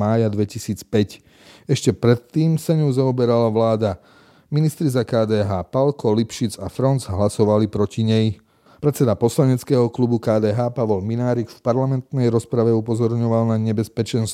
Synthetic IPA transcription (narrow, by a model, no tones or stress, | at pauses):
aːjad̪ʋɛcisiːt͡spɛc | ɛʃcɛpɾɛt̪ːiːmsaɲuzaɔbɛɾalaʋlaːd̪a | minist̪ɾizakaːd̪ɛːɦaːpalkɔlipʃit͡safɾɔnzɦlasɔʋalipɾɔciɲɛj | pɾɛtt͡sɛd̪apɔslaɲɛt͡skɛːɦɔklubukaːd̪ɛːɦaːpaʋɔlminaːɾikfpaɾlamɛnt̪nɛjɾɔspɾaʋɛupɔzɔɾɲɔʋalnaɲɛbɛspɛt͡ʃɛns